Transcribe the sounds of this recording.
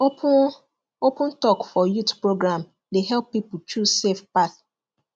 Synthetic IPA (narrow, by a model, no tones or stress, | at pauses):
opʊ̃ntɔkfɔjutpɹoɡɾãm | deɦɛlpːipʊtusefpaθ